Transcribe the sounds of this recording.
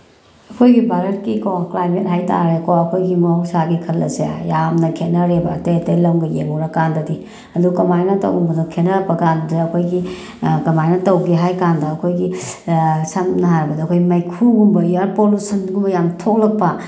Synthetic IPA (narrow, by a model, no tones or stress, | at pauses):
ɐkʰojɡibaɾet̚kikoklajmet̚ɦajta̰ɾekowɐkʰojɡimosaɡikʰɐlːɐsea̰jamnɐkʰet̚nɐɾebatejtɐjlɐmɡɐjemɔɾakandɐdi | ɐdukɐmajnɐtɐ̰wumbɐdukʰenɐpɐkandɐdɐkʰojɡi | kɐmajnɐtɐwɡiɦajkandɐːkʰojɡi | samnɐɦaɾɐbɐdɐkʰojimɐjkʰuɡumbɐjaɾpolusɐnɡumbɐjamtʰok̚lɐk̚pɐ